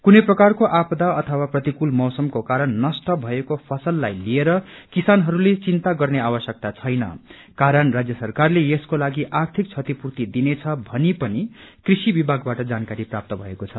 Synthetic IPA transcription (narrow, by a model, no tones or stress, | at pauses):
kunʌjprʌkarkoʔapd̪aʌt̪ʰʌwaprʌt̪ikulmʌwsʌmkokaɾʌnːʌsʈʌbʱʌekopʰʌsʌlːajlieɾʌkisanɦʌɾulet͡sint̪aɡʌrneabʌsjʌk̚t̪at͡sʰʌjnʌ̰ | kaɾʌnrad͡zjʌsʌrkarlejeskolaɡiʔart̪ʰik̚t͡sʰʌt̪ipurt̪id̪inet͡sʰʌbʱʌnipʌnikrisibibʱaɡbaʈʌd͡zankaɾiprap̚t̪ʌbʱʌekot͡sʰʌ